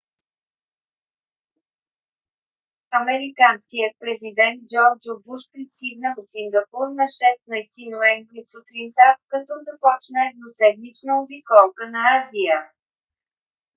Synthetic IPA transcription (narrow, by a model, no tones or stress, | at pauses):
ɐmɛɾikanskijət̪̚pɾɛzid̪ɛnt̪̚d͡ʒɔɾd͡ʒobuʃpɾisk̪ʲiɡnəlˠsiŋɡɐpuɾnɐʃɛst̪nɐjt̪inoɛɱvɾisut̪ɾint̪apkɐt̪ɔzɐpɔt͡ʃnəɛd̪nosɛd̪nit͡ʃnəʊbikɔlˠkənɐazijə